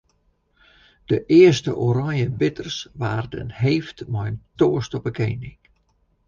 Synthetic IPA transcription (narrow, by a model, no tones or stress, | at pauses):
d̥əʔɪəstə̰ʔoɾaŋjənbɪtərsʋaːrdə̰nheftmɔjntoːəstɔpəkeːnɪŋ